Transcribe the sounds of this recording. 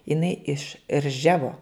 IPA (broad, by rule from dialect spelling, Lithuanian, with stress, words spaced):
ɪˈnɐɪ ɪʃ ˈrʲʒʲæːʋoː